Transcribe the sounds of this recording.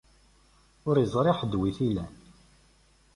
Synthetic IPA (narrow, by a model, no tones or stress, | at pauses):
ʊɾizˤɾˤeħəd̪wiθilæn